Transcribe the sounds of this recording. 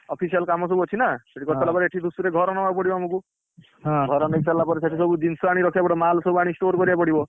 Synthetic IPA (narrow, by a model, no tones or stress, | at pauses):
ɔpʰisijɔlkamɔsɔbuɦɔt͡ʃʰinaseʈikɔtɔlapɔɾeeʈʰid̪usuɾeɡʱɔɾɔnɔbapɔɽibɔmuku | ɦɡʱɔɾɔneiksalːapɔɾesaʈʰisɔbud͡ʒinsɔaɽ̃iɾɔkʰibapɔɽɔmalsɔbuaɽ̃isʈoɾkɔɾibapɔɽibɔ